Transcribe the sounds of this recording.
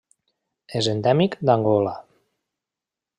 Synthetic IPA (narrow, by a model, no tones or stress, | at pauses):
ezend̪ɛmikd̪aŋɡɔla